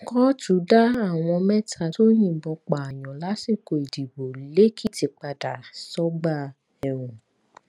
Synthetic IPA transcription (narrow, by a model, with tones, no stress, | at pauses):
kɔ˦tu˨˦da˦a˦˨w̃ɔ̃˧mɛ˦tʰa˧˨to˦j̃ĩ˦˨bɔ˧k͡pa˨a˨j̃ɔ̃˨la˨˦si˦˨ko˧˨i˨di˨wo˨le˦kʰi˦ti˧k͡pa˧da˨sɔ˦ɡ͡ba˦˨ | ɛ˧ũ˨